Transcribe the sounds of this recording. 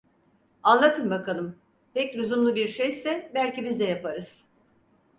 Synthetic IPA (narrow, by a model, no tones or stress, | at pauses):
anlˠat̪ʰɯnbakʰalˠɯm | pɛclʲuzumlˠubiɾʃejsɛbælʲcibizd̪ɛjapaɾɯz̥